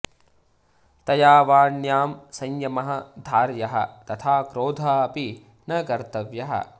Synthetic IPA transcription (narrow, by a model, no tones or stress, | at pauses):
t̪ɐjaːʋaːɳjaːmsɐ̃ɲjɐmɐɦɐd̪ʱaːɾjɐɦɐ̰t̪ɐt̪ʰaːkɾoːd̪ʱaɐpi | nɐkɐɾt̪ɐʋjɐɦɐ̰